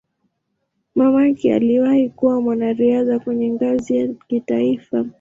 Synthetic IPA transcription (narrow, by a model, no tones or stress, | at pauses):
mamakia̰liwahikuwamwanaɾiaðakwɛɲɛŋɡazijakitaifa